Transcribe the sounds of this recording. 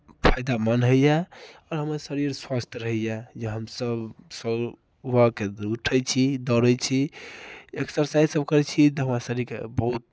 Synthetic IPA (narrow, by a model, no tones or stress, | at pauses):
pʰajd̪amənɦəijɛɔɾɦəməɾsəɾiɾswast̪ʰjɾəɦijɛd͡ʒeɦəmsəbsəb | akeuʈʰət͡ʃʰid̪ɔɾət͡ʃʰi | eksəɾsaisəbkəɾɛt͡ʃʰit̪ɔɦəmɾasəɾiɾkḛbəɦut̪̚